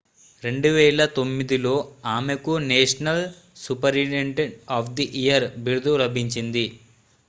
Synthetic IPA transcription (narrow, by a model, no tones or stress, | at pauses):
ɾe̞ɳɖuʋɛːɭɐt̪o̞mːid̪ilo̞ːaːmekuneːʂɐnɐl | supɐɾiʈeɳʈeaːpʰd̪iʔijɐɾbiɾud̪uɾɐbʱiɲt͡ʃind̪i